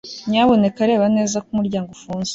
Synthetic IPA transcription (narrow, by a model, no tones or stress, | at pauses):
ɲaβo̞ne̞kaɾe̞ːβane̞ːzakumuɾɟaːŋɡofuːnze